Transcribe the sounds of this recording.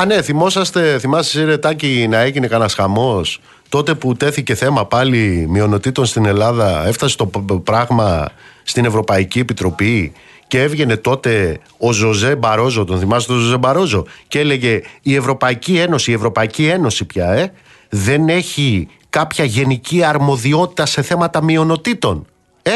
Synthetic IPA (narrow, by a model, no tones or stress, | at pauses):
ɐne̞θimo̞sɐst̪e̞θimɐsɐsiɾe̞t̪ɐcinɐe̞ʝine̞kɐnɐsxɐmo̞s | t̪o̞t̪e̞put̪e̞θice̞θe̞mɐpɐlimio̞no̞t̪it̪o̞nst̪ine̞lɐðɐe̞ft̪ɐse̞̥t̪o̞pɾɐɣmɐst̪ine̞vɾo̞pɐicie̞pit̪ɾo̞pi | cee̞vʝe̞ne̞t̪o̞t̪e̞ | o̞zo̞ze̞bɐɾo̞zo̞t̪o̞nθimɐst̪ozoze̞bɐɾo̞zo̞ce̞le̞ʝe̞ie̞vɾo̞pɐicie̞no̞siie̞vɾo̞pɐicie̞no̞sipçɐe̞ | ðe̞ne̞çi | kɐpçɐʝe̞niciɐɾmo̞ðio̞t̪i̥t̪ɐse̞θe̞mɐt̪ɐmio̞no̞t̪it̪o̞n | e